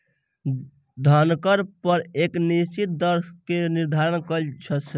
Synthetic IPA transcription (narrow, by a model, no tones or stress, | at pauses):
d̪ʱənkəɾpəɾeknit͡ʃit̪̚d̪əɾskeniɾd̪ʱaɾənkəlt͡ʃʰət̪sʰ